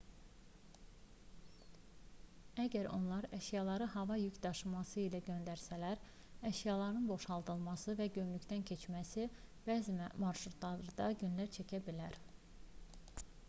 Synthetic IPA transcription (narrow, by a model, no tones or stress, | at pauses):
æɟæɾo̞̰nlˠɑɾæʃjɑlˠɑɾɯɦɑvɑjycd̪ɑʃɯmɑsɯilæɟø̞nd̪æɾsælæɾ | æʃjɑlˠɑɾɯnbo̞ʃɑlˠd̪ɯlˠmɑsɯvæɟø̞mlyct̪æncʰe̞t͡ʃmæsib̥æːzimmɑɾʃɾut̪ʰlˠɑɾɯd̪ɑɟynlæɾt͡ʃʰæcʰæbilæɾ